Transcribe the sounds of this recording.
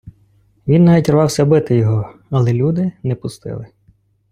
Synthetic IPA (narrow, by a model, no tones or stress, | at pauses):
ʋʲinnːɑʋʲitʲrʋɑwsʲɐbɪt̪ɪjɔɦɔɐlˠɛlʲud̪ɪnɛpʊst̪ɪ̰lˠɪ